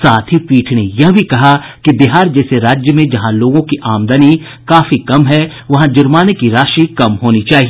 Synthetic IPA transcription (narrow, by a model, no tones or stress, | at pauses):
saːt̪ʰɦipiːʈʰnejɐɦbʱikɐɦakibiɦaːɾd͡ʒɛːseɾaːd͡ʒjəmẽd͡ʒɐɦãloːɡõkiʔaːmd̪əni | kaːfikɐmɦɛʋɐɦãd͡ʒʊɾmaːnekiɾaːʃikɐmɦoːnit͡ʃaːɦie